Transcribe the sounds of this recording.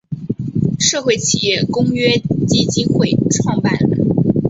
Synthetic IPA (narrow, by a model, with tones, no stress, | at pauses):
ʂɤ˥˧xwe˥˩ɪt͡ɕʰḭ˨˩jɛ˥˩kʊ˥ŋɥɛ˥t͡ɕi˥t͡ɕi˥nxwe˥˧ɪʈ͡ʂʰwɑ˥˧ŋpa̰˥˩n